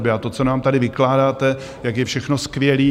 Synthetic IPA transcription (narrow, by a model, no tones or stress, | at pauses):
bɪat̪o̞t͡sonaːmt̪adɪvɪklaːdaːt̪ɛ | jakjɛfʃɛxno̞skvjɛliː